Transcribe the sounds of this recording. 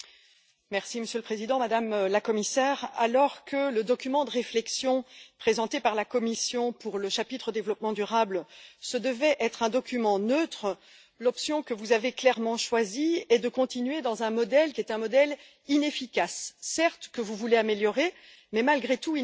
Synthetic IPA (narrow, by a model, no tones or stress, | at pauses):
mɛʁsiməsjølpχezid̪ɑ̃mad̪amlakɔmisɛʁa̰lɔʁkʰələd̪ɔkʲymɑ̃d̪əʁeflɛksjɔ̃pχezɑ̃t̪epaʁlakɔmisjɔ̃puʁləʃapit̪χod̪evlɔpmɑ̃d̪yʁablsəd̪əvɛʔɛt̪χɛ̃d̪ɔkʲymɑ̃nøt̪χə | lɔpsjɔ̃kəvuzaveklɛʁmɑ̃ʃwaziɛd̪əkɔ̃t̪inɥed̪ɑ̃zɛ̃mɔd̪ɛlkʲiɛt̪ɛ̃mɔd̪ɛl | inefikasːɛʁt̪kəvuvuleameljɔʁe | mɛmalɡʁet̪ui